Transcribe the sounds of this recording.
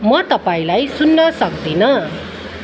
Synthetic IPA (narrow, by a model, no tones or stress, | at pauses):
mʌt̪ʌpaĩlajsunːʌsʌkd̪inʌ